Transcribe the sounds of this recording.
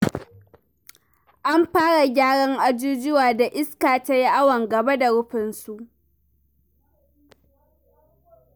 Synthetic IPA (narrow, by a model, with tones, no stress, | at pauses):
ʔa˦mɸaː˦ɽa˨ɡʲaː˦ɽɐ˦ŋʔa˦d͡ʒuː˦d͡ʒɪ˦waː˨da˨ʔɪ˦skaː˨ta˦ji˦ʔa˦wɐ˨ŋɡɐ˨ba˦da˨ɽʊ˦ɸɪ˨nsu˨ʔ